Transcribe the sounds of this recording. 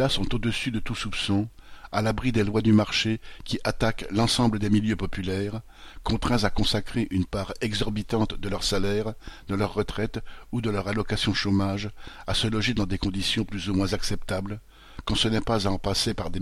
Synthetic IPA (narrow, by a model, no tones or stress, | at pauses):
lasɔ̃t̪od̪əsyd̪ət̪usupsɔ̃alabʁid̪elwad̪ymaʁʃekʲiʔat̪aklɑ̃sɑ̃bləd̪emiljøpɔpylɛːʁ | kɔ̃t̪χɛ̃zakɔ̃sakχeʔynpaʁɛɡzɔʁbit̪ɑ̃t̪d̪əlœʁsalɛʁd̪əlœʁːət̪χɛt̪ud̪əlœʁalɔkasjɔ̃ʃomaʒasəlɔʒed̪ɑ̃d̪ekɔ̃d̪isjɔ̃plyzumwɛ̃zaksɛpt̪abl | kɑ̃sənɛpazaɑ̃pasepaʁd̪e